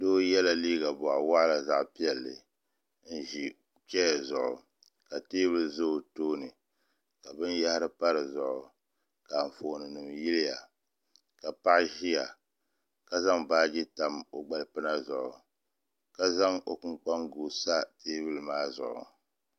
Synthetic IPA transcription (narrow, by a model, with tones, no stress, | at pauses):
doː˦jɛ˦la˦liː˦ɡa˨bʊ˨ʔa˨wa˦ʔla˨za˦ʔpi˦ɛ˨lːɨ˨ | n̩˦ʒi˨ | t͡ʃɛ˦˨zʊ̰˨ʔʊ̰˨ | ka˨teː˦bɨ˦lzo˦˨toː˦nɨ˨ | ka˨bɨ˦nja˦hɪ˦ɾɨ˦pa˦ɾɨ˨zʊ˨ʔʊ˨ | ka˨ɱ̩˨foː˨nɨ˨nɨ˨m˨ji˦lɪ˦ja˨ | ka˨pa˦ʔʒi˦ja˨ | ka˨za˦ŋbaː˦d͡ʒɪ˦ta˨mo˨ɡ͡ba˨lpɨ˦na˦zʊ˨ʔʊ˨ | ka˦za˦ŋo˦kɨ˦ŋk͡pa˦ŋɡu˨sa˦teː˦bɨ˦lɨ˦maː˦zʊ̰˨ʔʊ̰˨